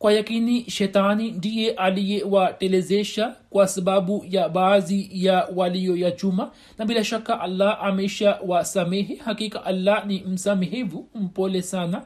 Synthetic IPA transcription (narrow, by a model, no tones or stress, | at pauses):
kwajakiniʃɛtanindijɛʔalijɛwatɛlɛzɛʃakwasaɓaɓujaɓaːzijawalijɔjat͡ʃuma | naɓilaʃakaʔalːaʔamɛʃawasamɛɦɛhakikaʔalːanim̩samɛɦɛvum̩pɔlɛsana